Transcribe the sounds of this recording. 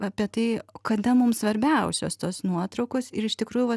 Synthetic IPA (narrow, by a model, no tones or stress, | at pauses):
ɐpʲiɛt̪ɐɪkɐd̪ɐmʊmsʋɐɾʲbʲɛʊsʲo̰st̪oːsnuɔt̪ɾɐʊkoːsɪɾɪʃt̪ʲɪkɾuːjuʋɐ